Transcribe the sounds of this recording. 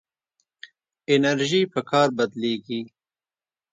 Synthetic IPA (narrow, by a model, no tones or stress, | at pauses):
ɪnɐɾʒipəkʰɑːɾbɐd̪leːɡi